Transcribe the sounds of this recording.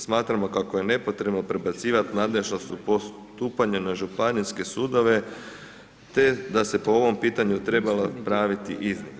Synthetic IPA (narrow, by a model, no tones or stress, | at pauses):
smaːt̪ɾamo̞kakoje̞ne̞po̞t̪ɾe̞bno̞pɾe̞bat̪siːʋat̪naːd̪le̞ʒnost̪upo | t̪uːpaɲanaʒupaniske̞suːd̪o̞ʋe̞ | t̪e̞d̪ase̞poo̞ʋo̞mpiːt̪aɲut̪ɾe̞balapɾaːʋit̪iʔiznon